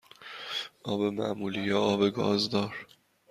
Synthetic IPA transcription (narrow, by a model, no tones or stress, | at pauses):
ʔɒːbemæ̰ʔmuːlijɒɒːbeɡɒ̰ːzd̪ɒːɾ